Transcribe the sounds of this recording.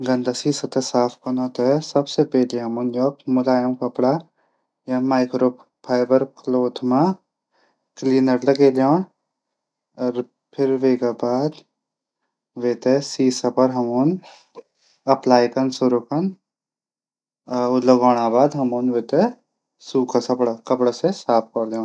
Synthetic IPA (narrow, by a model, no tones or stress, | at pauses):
ɡɐnd̪asiːsɐt̪esaːpʰkɐnoːt̪esɐbsepɛɦleɦɐmunjoːkmʊlaːjɐmkɐpɽa | jamaːɪkɾoːp | pʰaːjbɐɾkloːt̪ʰma | kliːnɐɾlɐɡeːljaːn | ɾ | pʰɪɾʋeːɡabaːd̪ | ʋeːt̪esiːsɐpɐɾɦɐmoːn | ɐplaːjk̪ɐnsʊɾukɐn | ʊləɡoːɽ̃aːbaːd̪ɦɐmoːnʋeːt̪e | suːkʰasɐpɽakɐpɽasesaːp̚ʰkɐɾleõːn